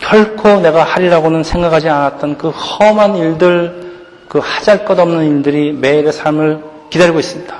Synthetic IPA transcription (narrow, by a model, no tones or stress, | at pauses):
kjʌɭkʰone̞ɡahaɾiɾaɡonɯnsʰe̞ŋɡakʰad͡ʑianat̚t͈ʌnkɯhʌmaniɭdɯɭ | kɯhad͡ʑaɭk͈ʌdʌmnɯniɭdɯɾime̞iɾesʰaɭmɯɭ | kidaɾiɡois͈ɯmɲidḁ